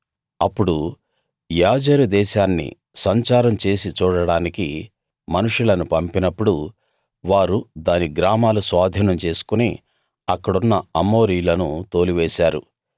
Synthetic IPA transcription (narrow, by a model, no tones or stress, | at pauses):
ɐpːuɽu | jaːd͡ʒɐɾud̪ɛːʃaːnːḭ | sɐɲt͡ʃaːɾɐmt͡ʃe̞ːsit͡ʃuːɽɐɽaːniki | mɐnuʂulɐnupɐmpinɐpːuɽu | ʋaːɾud̪aːniɡɾaːmaːlusʋaːd̪ʱinɐmt͡ʃe̞ːsu̥kuneː | ɐkːɐɽunːɐɐmo̞ːɾijlɐnut̪o̞ːliʋeːʃaːɾu